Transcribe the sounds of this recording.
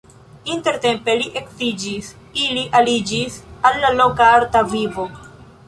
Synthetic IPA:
inte̞ɾte̞mpe̞liʔekvid͡ʒis | iliʔalid͡ʒisalːalo̞kaaɾtavivo̞

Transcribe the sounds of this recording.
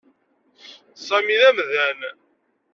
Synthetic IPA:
sˤæmiðæmðæn

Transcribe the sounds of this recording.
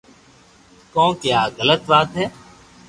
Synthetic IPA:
kõːkjaːɣələt̪ʋaːt̪ɦɛː

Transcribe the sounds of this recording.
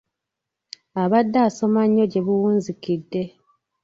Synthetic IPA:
aβadːaːso̞maɲːo̞ɟe̞βuwuːnzikidːe̞

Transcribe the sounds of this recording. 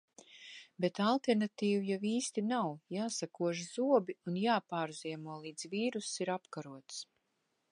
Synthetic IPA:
bɛt̪alˠt̪ɛɾnat̪iːvujawiːst̪inawjaːsakuɔʒzuɔbiunjaːpaːɾziɛmuɔlˠiːd̪z̥viːɾusiɾapkaɾuɔt̪s

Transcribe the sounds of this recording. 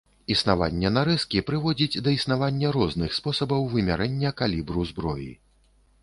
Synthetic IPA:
isnava̰nʲːɛnaɾɛskʲipɾɨvɔd͡zʲid͡zʲd̪ɐisn̪avanʲːɐɾɔznɨxspɔsɐbɐwvɨmʲaɾɛnʲːɐkalʲibɾuzbɾɔ̰jḭ

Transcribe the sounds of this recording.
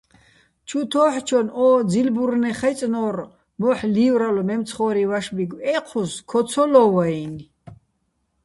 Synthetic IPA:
t͡ʃʰut̪ʰɔːħt͡ʃʰɔnɔːd͡zilbuɾnɛχajt͡sʼnɔɾ | mɔħliːwɾalɔmɛmt͡sʰχɔɾivaʃbiɡwɛqʰuskʰɔt͡sʰɔlɔwain

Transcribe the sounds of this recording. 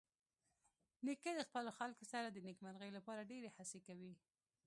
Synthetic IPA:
niked̪əxpəloxalkosaɾad̪ənikmaɾɣəjlapɑɾaɖeɾehasekawi

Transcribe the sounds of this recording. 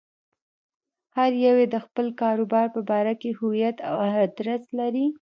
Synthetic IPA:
haɾjawed̪əxpəlkɑɾobɑɾpəbɑɾakehʊwijat̪a̰waɦd̪ɾaslaɾi

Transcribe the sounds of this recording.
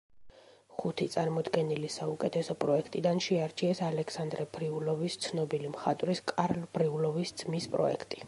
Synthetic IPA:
χut̪ʰit̪sʼaɾmɔd̪ɡɛnilisaukʼɛt̪ʰɛsɔpʼɾɔɛkʰt̪ʼid̪anʃɛaɾt͡ʃʰiɛsalɛkʰsand̪ɾɛbɾiulɔvist̪sʰnɔbilimχat̪ʼvɾiskʼaɾlb̥ɾiulɔvisd̪z̥mispʼɾɔ̰ɛ̰kʰt̪ʼi

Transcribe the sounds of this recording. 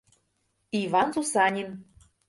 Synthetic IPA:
ivɑnzusɑnʲin

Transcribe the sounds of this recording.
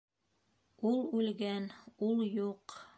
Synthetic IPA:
ulˠʉlɡænulˠjuq

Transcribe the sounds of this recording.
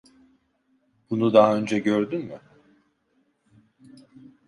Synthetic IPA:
bunud̪aɦaø̞nd͡ʒɛɟøɾd̪ynmy

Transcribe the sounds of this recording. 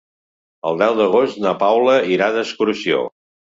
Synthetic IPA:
əlˠd̪ɛwd̪əɣost̪nəpawləiɾaðəskuɾsio̰

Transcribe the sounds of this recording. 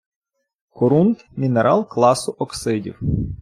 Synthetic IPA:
kɔɾunt̪mʲinɛɾʔɑlˠklˠɑsʊʔɔksɪdʲḭw

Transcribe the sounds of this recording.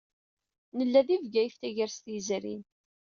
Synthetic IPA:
nəlːæðivɡæjft̪æʝəɾst̪jzɾḭn

